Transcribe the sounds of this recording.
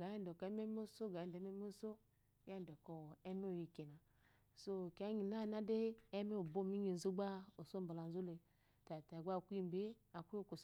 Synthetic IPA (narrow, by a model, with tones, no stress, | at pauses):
ɡa˨je˦dɔ˨kɔ˨˦ɛ˦me˦m˦o˦so˦ɡa˨e˨de˨˦me˦m˦o˦so˦ | ja˦˨dɔ˨kɔ˨ɛ˦me˦o˨ji˨ke˨na˨ | so˦˨ka˦ɲi˨na˦˨na˦deː˦me˦o˨bo˦˨mi˦ɲi˨n˨zu˦ɡ͡ba˦o˨so˦m˨ba˨la˨n˨zu˦le˨ | ta˨ta˨ɡʷa˦˨kʷu˦i˦m˨be˦a˨kʷu˦o˦˨ko˨s